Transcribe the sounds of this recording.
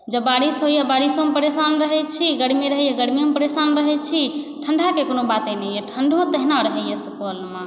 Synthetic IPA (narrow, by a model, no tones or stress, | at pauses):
d͡ʒəbaɾisɦojabaɾisomepəɾesanɾəɦɛt͡ʃʰiɡəɽmiɾəɦɛjaɡəɽmiomepəɾesanɾəɦɛt͡ʃʰi | ʈʰəɳɖʱakekonobat̪ẽnɛjeʈʰəɳɖʱot̪əɦnaɾəɦɛjesəpəlmã